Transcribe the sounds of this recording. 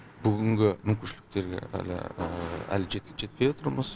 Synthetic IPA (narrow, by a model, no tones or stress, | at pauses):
b̥ʏɡʲɪŋɡʲɪmʏŋkʲɪnʃɪlɪk̚t̪e̞ɾɡʲḛæ̰lɪ̰æ̰lɪʒet̪ʲʒe̞t̪̚pe̞jot̪ʰəɾməz